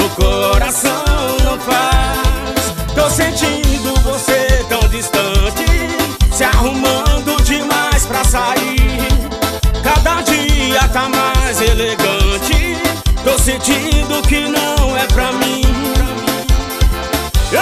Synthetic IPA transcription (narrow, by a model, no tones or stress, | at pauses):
ʊkoɾasɐ̃w̃nɐ̃w̃fa | s | t̪owsẽnt͡ʃĩd̪ʊvoset̪ɐ̃w̃d͡ʒist̪ɐ̃t͡ʃɪsɪahumɐ̃d̪ʊd͡ʒɪmajspɾɐsaiɾ | kad̪ɐd͡ʒiɐt̪amajzeleɡɐ̃t͡ʃɪt̪owsẽnt͡ʃĩd̪ʊkɪnɐ̃w̃ɛpɾɐmĩ